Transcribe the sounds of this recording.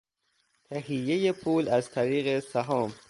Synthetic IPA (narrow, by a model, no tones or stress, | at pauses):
t̪ʰæhijːejepʰuːlæzt̪ʰæɾiːɣesæɦɒːm